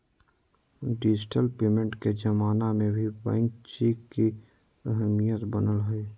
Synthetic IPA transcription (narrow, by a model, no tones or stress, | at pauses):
ɖɪd͡ʒʈəlpeːmẽɳʈked͡ʒəmaːnamẽbʱibɛ̰̃ŋkt͡ʃiːkːi | əɦəmijət̪bənəlɦʊi